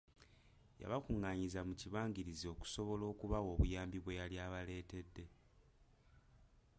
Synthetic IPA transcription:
ja̰βakuŋːaɲizamuciβaːŋɡiɾizio̞ːku̥so̞βo̞lo̞ːkuβawo̞ːβujaːmbiβwe̞jaljaːβale̞ːte̞dːe̞

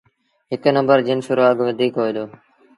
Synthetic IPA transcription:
ɦɪknəmbəɾd͡ʒɪnsʊɾuaːɡʋəd̪ʱiːkɦoːid̪oː

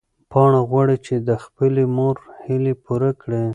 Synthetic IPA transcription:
pɑɳaɣwaɽet͡ʃed̪əxpəlemoɾhilepuɾakɽe

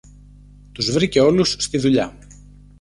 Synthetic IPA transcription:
t̪uzvɾiceo̞lusːt̪iðuʎɐ

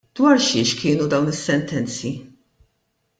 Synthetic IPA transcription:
d̪wɐɾʃɪːʃkʰɪːnud̪ɐwnɪsːɛnt̪ɛnt͡si

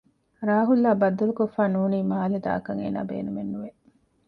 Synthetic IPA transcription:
ɾaːɦulːaːbɐd̪ːɐlukofːaːnuːniːmaːled̪a̰ːkɐŋḛːna̰ːbḛːnumenːuʋe

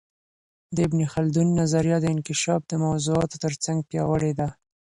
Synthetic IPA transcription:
d̪əɪbnixald̪unːazaɾjɑd̪əɪnkɪʃɑfd̪əmawzuɑt̪o̥t̪əɾt͡saŋɡ̚pjɑwəɽed̪a

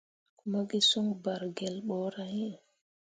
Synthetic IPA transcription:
kumaɡisuŋbaɾɡɛlɓɔɾahɛ

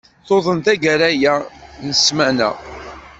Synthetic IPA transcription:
θoðˤənt̪æɡəɾæjænəsmænæ̰

